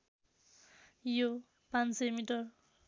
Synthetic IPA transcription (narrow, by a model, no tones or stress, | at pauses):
jo | pãnsʌjmiʈʌr